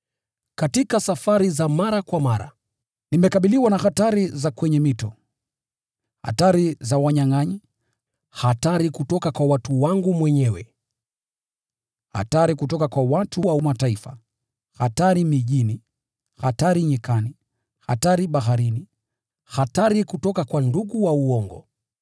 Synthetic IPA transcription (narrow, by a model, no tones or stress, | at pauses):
katikasafaɾizamaɾakwamaɾa̰ | nimɛkaɓiliwanahataɾizakwɛɲɛmitɔ | ha̰taɾizawaɲaŋaɲi | hataɾikutɔkakwawatuwaŋɡumwɛɲɛwɛ̰ | ha̰taɾikutɔkakwawatuwaumataifa | hataɾimiʄini | hataɾiɲɛkani | ha̰taɾiɓaɦaɾini | hataɾikutɔkakwanduɡuwauɔŋɡɔ̰